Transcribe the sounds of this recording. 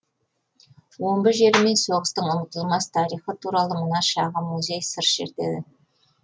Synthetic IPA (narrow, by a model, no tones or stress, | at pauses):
wo̞mbəʒe̞ɾɪme̞nso̞ʁəst̪əɴʊnət̪əlˠmɑst̪ʰɑɾijχət̪ʰuɾɑlˠəmənɑʃɑʁəmuzʲe̞jsəɾʃe̞̰ɾt̪e̞̰d̪ɪ